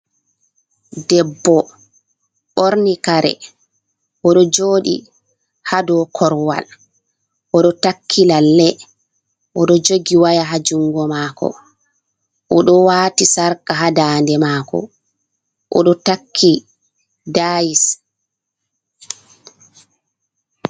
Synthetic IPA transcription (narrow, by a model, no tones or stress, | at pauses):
dɛbːɔ | ɓoɾnikaɾɛ̰ | ʔɔɗɔd͡ʒoːɗḭ | hadɔkʰɔɾwa̰l | ʔɔɗɔtakʰːilalːɛ | ʔɔɗɔd͡ʒoɡiwajaɦad͡ʒuŋɡɔmaːkɔ̰ | ʔɔɗɔwaːtisaɾkaɦadaːndɛmaːkɔ̰ | ʔɔɗɔtakʰːi | dajis